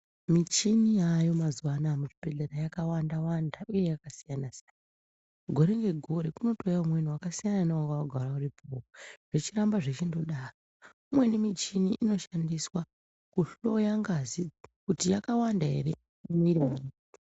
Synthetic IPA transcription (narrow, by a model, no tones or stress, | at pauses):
mit͡ʃinijajo̞mazuwanamut͡ʃibʱeɮeɾajakawandawandaʔuje̞jakasijanasijan | ɡʱo̞ɾe̞ŋɡe̞ɡʱo̞ɾe̞kuno̞to̞jaumweniwakasijananewaŋɡawaɡʱaɾauripʰooʐ̥e̞t͡ʃirambaʐe̞t͡ʃindoɗaːro | umwe̞nimit͡ʃiniʔːno̞ʃandiswa | kuɬo̞jaŋɡazikutijakawandaɦe̞̰ɾe̞ | umiɾimai | o